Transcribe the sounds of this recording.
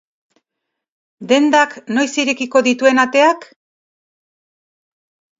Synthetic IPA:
d̪e̞nd̪akno̞jsiɾekiko̞ðit̪ue̞nat̪e̞ak

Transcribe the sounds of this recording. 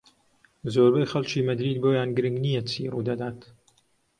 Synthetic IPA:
zoːɾbejxɐlt͡ʃiːmɐd̪ɾiːd̪̚boːjaːnɡɨɾɨŋɡnijɛsʰḭːruːd̪ɐd̪aːt̪

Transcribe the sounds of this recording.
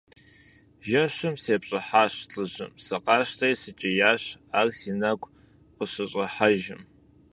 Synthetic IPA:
ʒɐɕɨmseːpɕʼɐħaːɕɬʼɨʑɨ̰msɐqɑːʃtʰɐjsɨt͡ʃʼɪjaːɕaːrsiːnɐkʷʼ | qəɕɐɕʼɐħaʒɪm

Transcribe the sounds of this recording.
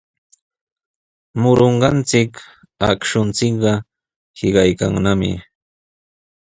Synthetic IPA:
mʊɾoɴɢɑnt͡sɪk | a̰kʃʊnt͡sɪkɢɑ | hɪɢɑjkaŋnamɪ̰

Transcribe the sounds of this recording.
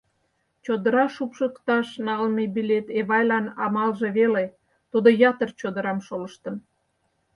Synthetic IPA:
t͡ɕod̪əɾɑʃupʃəkt̪ɑʃnɑlmebilʲet̪eβɑjlɑnɑmɑlʒeβele | t̪ud̪ojɑt̪ərt͡ɕod̪əɾɑmʃoləʃt̪ən

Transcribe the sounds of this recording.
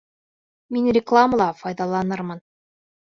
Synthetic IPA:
minrʲɪklˠaməlˠɑfɑjd̪ɑlˠɑnɤɾmɤn

